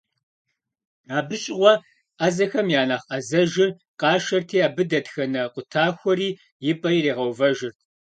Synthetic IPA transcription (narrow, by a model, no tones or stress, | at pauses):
aːbɨɕʼɪʁʷɔ | ʔɐzɐxɐmjaːnaːχʔɐzɐʒɪr | qʼɑːʃɐrtʰiːaːbɨdɐtxɐnɐqʷʊtʰaːxʷɔɾiː | jɪpʼɐjireːʁɐwvɐʒɪrt̚ʰ